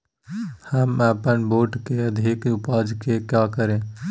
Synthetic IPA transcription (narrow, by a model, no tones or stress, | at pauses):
həmaːpənboːʈkeəd̪ʱikʊpaːd͡ʒkekjaːkəɾẽ